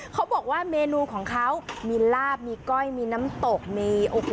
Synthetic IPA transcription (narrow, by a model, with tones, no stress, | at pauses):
kʰa˦˥wbɔː˨˩k̚waː˥˩meː˧nuː˧kʰɔː˩˦ŋkʰa˦˥wmiː˧laː˥˩p̚miː˧kɔ˥˩jmiː˧naː˦˥mt̪o˨˩k̚miː˧ʔo˨˩k̚